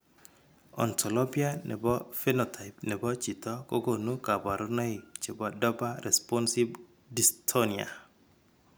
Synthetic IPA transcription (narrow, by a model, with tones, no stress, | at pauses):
ɔ̰˨ntʰɔ˨lɔ˦bi˦a˦nʔɛ̰˨bɔ˦fɛ˦nɔ˨tʰa˨ɪpnɛ˨bɔ˦t͡ʃi˨tɔ˦ko˦ɡo˨nu˦ka˨ba˨ɾu˦nɔ˦i˨t͡ʃe˨ba˨dɔ˦ba˦ɾʔɛ˨spɔ˦nsi˦b | di˨stʰo˦nia̰˨